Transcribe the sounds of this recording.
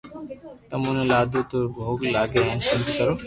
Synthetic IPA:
t̪əmũːnẽːlaːd̪ʱoːt̪oːɾɡʱoːɡlaːɡeːɦɛ̃ːnsəmd͡ʒkəɾoː

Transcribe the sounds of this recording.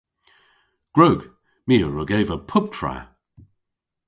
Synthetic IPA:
ɡ̥ɹoːɡ | miːəɹəɡeːvəpʰʊp̚tʰɹa̰

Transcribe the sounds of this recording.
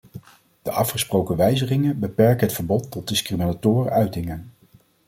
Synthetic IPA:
d̥əʔɑfχəsprowkəʋɛjzəχɪŋəbəpɛɹkəɦətfəɹbɔtːɔd̚dɪskriminatʊːrəʔœɥtɪŋən

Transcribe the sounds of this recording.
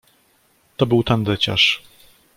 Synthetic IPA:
t̪ɔbɘwt̪and̪ɛt͡ɕa̰ʂ

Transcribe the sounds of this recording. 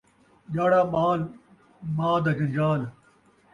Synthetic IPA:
ʄaːɽaːmaːl | maːd̪ɐd͡ʑɐ̃nʲd͡ʑaːl

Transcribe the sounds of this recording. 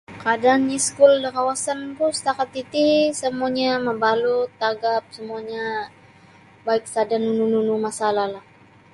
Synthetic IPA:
kadaŋiskʊldəkawasanpʊst̪akat̪ːit̪ɪsəmuaɲaməbalut̪aɡap̚səmuaɲa | baɪk̚sadanunununumasalahlah

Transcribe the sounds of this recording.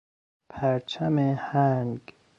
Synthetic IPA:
pʰæɾt͡ʃʰæmehæŋɡ

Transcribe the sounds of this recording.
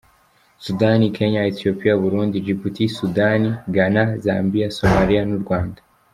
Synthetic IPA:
sudanikʰe̞ɲaetijo̞pijauβuɾuːndid͡ʒiputisudaniɡanaza̰ːmbijaso̞maɾijanuɾɡwaːndḁ

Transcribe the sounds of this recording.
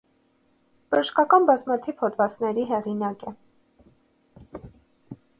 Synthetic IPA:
b̥əʒəʃkɑkɑnbɑzmɑt̪ʰiv̥hɔt̪vɑt͡st̪nɛɾiɦɛʁinɑkɛ

